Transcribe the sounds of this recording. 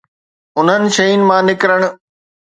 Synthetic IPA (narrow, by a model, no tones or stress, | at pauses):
ʊn̤ɦənɪ̆ʃɐinɪ̆mãːnɪkɾəɽ̃ʊ̆